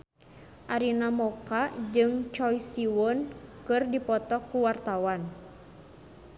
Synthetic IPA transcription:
ʔaɾinamɔkad͡ʒɨŋt͡ʃɔjsiwɔnkɨrdipɔt̪ɔkːuwart̪awan

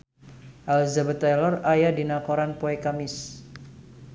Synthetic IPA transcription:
ʔalzabət̪alɔrajadinakoɾanpoɛkamɪs

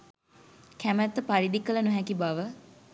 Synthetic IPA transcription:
kæmæt̪ːəpaɾid̪ikələnuɦɛkibaʋə

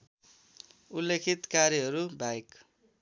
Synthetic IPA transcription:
ulːekʰit̪kaɾjʌɦʌɾubʱajk

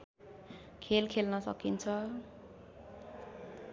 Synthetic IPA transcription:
kʰelkʰelnʌsʌ̰kint͡sʰʌ

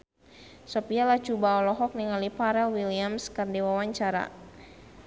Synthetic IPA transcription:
sɔpialat͡ʃubaɔlɔɦɔk̚niŋalipaɾɛlwiliamskɨrdiwawaɲt͡ʃaɾa̰

